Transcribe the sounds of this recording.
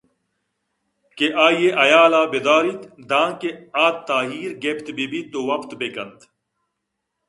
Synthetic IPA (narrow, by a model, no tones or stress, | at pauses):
keʔaːjeʔɐjaːlaːbed̪aːɾit̪d̪ãːkeaːt̪t̪ːaːɦiːɾɡept̪bibit̪owɐpt̪bekɐnd̪